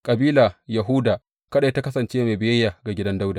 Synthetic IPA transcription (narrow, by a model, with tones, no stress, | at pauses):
kʼɐ˨biː˦la˨jɐ˨ɦu˦daː˨ | kɐ˦ɗa˨˦ta˦kɐ˦sɐ˨nt͡ʃeː˦ma˨bɪ˦jɐ˦jːaː˨ɡa˨ɡʲɪ˦dɐ˦nda˦wdaː˨